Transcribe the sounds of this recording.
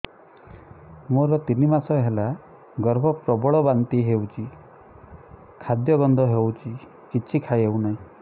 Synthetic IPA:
moɾɔt̪inimasɔɦela | ɡɔɾbʱɔpɾɔbɔɭɔbant̪iɦewt͡ʃʰi | kʰad̪jɔɡɔnd̪ʱɔɦewt͡ʃʰi | t͡ʃit͡ʃʰikʰajeunaɦĩ

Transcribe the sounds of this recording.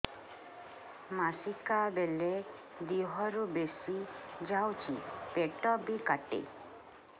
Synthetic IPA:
masikabele | d̪iɦɔɾubesid͡ʒawt͡ʃʰipeʈɔbikaʈḛ

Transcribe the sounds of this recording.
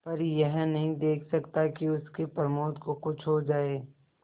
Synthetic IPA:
pɐɾjɛɦnɐɦĩd̪eːkʰsɐkt̪akiʊskepɐɾmoːd̪kokʊt͡ʃʰɦod͡ʒaːeː

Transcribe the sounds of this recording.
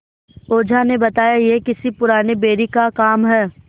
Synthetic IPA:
oːd͡ʒʱanebɐt̪aːjajekɪsipʊɾaːnebeːɾikakaːmɦɛː

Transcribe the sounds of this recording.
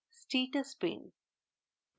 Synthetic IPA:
sʈiːʈəspḛ̃n

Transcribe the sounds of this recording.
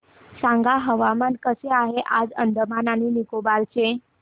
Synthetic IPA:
sãŋɡaɦəʋamankəseaɦeʔad͡ʒəɳd̪əmananinikobalt͡ʃʰẽ

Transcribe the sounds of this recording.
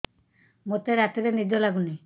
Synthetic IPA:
mot̪eɾat̪iɾenid̪ʱɔlaɡuni

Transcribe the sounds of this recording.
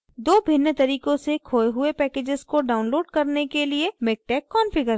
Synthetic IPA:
d̪oːbʱɪnːət̪ɐɾiːkõsekʰoːeɦʊepɛːkeːd͡ʒɪzkoɖaːʊnloːɖkɐɾnekeliemɪːk̚ʈɛːkːɔːnfɪɡəɾ

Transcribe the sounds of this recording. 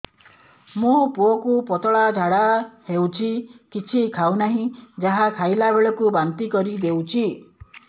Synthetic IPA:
mopuokupɔt̪ɔɭad͡ʒʱaɽahewt͡ʃʰikit͡ʃʰikʰawnaɦĩd͡ʒaɦakʰajlabeɭɔkubant̪ikɔɾid̪ewt͡ʃʰi

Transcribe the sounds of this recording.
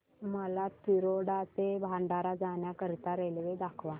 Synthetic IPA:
məlat̪iɾoɽat̪ebʱaɳɖaɾad͡zaɳjakəɾit̪aɾelʋed̪akʰʋa

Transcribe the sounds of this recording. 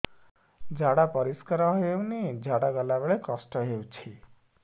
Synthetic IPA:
d͡ʒʱaɽapɔɾiskɔɾɔɦjewnid͡ʒʱaɽaɡɔlabeɭekɔsʈɔɦewt͡ʃʰi

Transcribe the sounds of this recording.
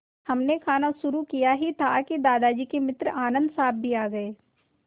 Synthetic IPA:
hɐmnekʰaːnaʃʊɾukijaɦit̪ʰakid̪aːd̪ad͡ʒikemɪt̪ɾaːnə̃nd̪saːb̚bʱiaːɡɐeː

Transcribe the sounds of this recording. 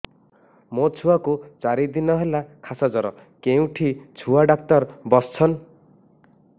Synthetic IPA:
mot͡ʃʰuwakut͡ʃaɾid̪inɔɦelakʰasad͡ʒɔɾɔ | keũʈʰit͡ʃʰuaɖak̚t̪ɔɾbɔst͡ʃʰɔn

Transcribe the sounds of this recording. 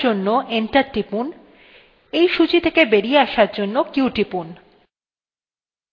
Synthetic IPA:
onːoʔeɳʈaɾʈɾipun | ejʃut͡ɕit̪ʰekebeɾieaʃaɾd͡ʑonːokuwʈipun

